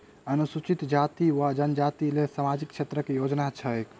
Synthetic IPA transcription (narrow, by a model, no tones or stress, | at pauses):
ənusut͡ʃit̪d͡ʒat̪iʋad͡ʒənd͡ʒat̪ilesamad͡ʒikːt͡ʃʰet̪ɾəkejod͡ʒnat͡ʃʰəek